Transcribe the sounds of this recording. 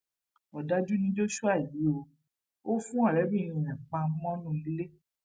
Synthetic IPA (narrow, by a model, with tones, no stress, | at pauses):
ɔ˨da˦d͡ʒu˦nĩ˧˦d͡ʒo˦ʃu˦a˦˨ji˨˦o˧ | o˦fũ˦a˦˨ɾɛ˨˦bĩ˦˨˧ɾ̃ĩ˨ɛ̃˨k͡pã˧˦mɔ̃˦nũ˦i˧˦le˦